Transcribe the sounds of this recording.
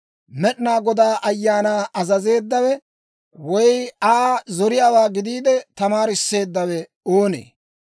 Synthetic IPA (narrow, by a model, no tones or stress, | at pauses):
mɛɗnaːɡɔd̪aːʔɐjːaːnaːʔɐzɐze̞ːd̪ːɐwɛ | wɔjaːzɔɾɪjaːwaːɡɪd̪iːd̪ɛt̪ɐmaːɾɪsːe̞ːd̪ːɐwɛ | oːnḛː